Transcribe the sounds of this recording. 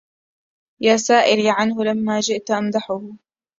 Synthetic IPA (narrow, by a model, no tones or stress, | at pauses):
jaːsaːʔɪliːʕanhʊlamːaːd͡ʒɪʔt̪ʔamd̪aħʊhʊ